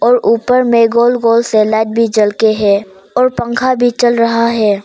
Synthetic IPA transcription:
ɔːɾuːpəɾmẽɡoːlɡoːlselɛːʈ̚bʱid͡ʒɐlkeɦɛː | ɔːɾpə̃ŋkʰabʱit͡ʃɐlɾɐɦaɦɛː

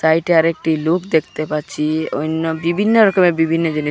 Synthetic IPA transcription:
saiʈaɾek̚ʈilokd̪ekʰt̪epat͡ʃʰio̰inɔbibʱinːəɾɔkəmebibʱinːəd͡ʒene

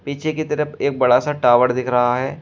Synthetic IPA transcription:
piːt͡ʃʰekit̪ɐɾəpeːk̚bɐɽasaʈaːʋəɾd̪ɪkʰɾɐɦaɦɛː

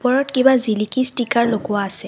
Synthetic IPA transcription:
pɔɹɔtkibazilikistikaɹloɡʊwaːsɛ

